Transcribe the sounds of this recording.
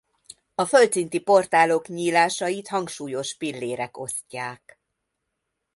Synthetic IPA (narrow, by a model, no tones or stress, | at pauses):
ɒfølt̪sint̪ipo̞rt̪aːlo̞kɲiːlaːʃɒjit̪hɒŋkʃuːjo̞ʃpilːeːɾɛko̞scːaːk